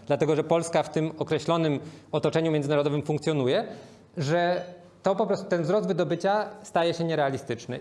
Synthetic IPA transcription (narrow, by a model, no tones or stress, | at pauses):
d̪lat̪ɛɡɔʐɛpɔlskaft̪ɘmɔkɾɛɕlɔnɘmɔt̪ɔt͡ʂɛɲumʲjɛndzɘnaɾɔd̪ɔvɘmfuŋkt̪sʲjɔnujɛ | ʐɛ | t̪ɔpɔpɾɔst̪ut̪ɛnvzɾɔzd̪vɘd̪ɔbɘt͡ɕast̪ajɛɕɛɲɛɾɛalʲist̪ɘt͡ʂnɘ̰